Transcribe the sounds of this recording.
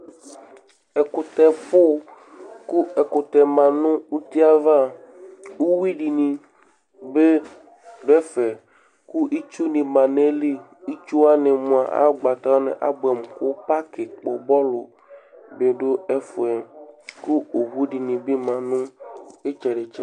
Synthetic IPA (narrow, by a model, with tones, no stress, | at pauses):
e˨ko˨t̪ɛ˨ɸo˦ | ku˦e˨ko˨t̪ɛ˨mã˨nũ˦u˦t̪i˦a˦va˦ | wu˦wi˦ɖi˨nĩ˨ | be˦ | ɖo˦ɛ˦fɛ˨ | ku˦ʔi˦t͡ʃu˦nĩ˨mã˨ne˦li˦ | i˦t͡ʃu˦a˦nẽ˨mũ˨a˨ʔa̰˦ɡ͡ba˨t̪a˦o˦nḛ̃˨ʔa̰˨bɛ˨m˨ko˦pa˦ke˨k͡po˨bɔ˦lo˨ | be˨ɖo˦e˦fo˨ɛ˨ku˦o˨wu˦ɖi˨nĩ˨bi˦mã˨nũ˦e˦t͡ʃɛ˨ɖe˨t͡ʃe˦